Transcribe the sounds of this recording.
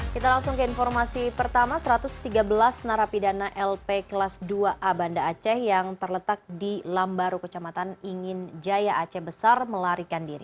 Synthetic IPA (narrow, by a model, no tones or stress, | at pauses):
kit̪alaŋsʊŋkəinfɔrmasipərt̪amasəɾat̪ʊst̪iɡabəlasnaɾapidanaʔɛlpeklasduaʔabandaːt͡ʃɛhjaŋt̪ərlət̪ak̚dilambaɾukət͡ʃamat̪aniŋɪnd͡ʒajaʔat͡ʃɛhbəsarməlaɾikandiɾḭ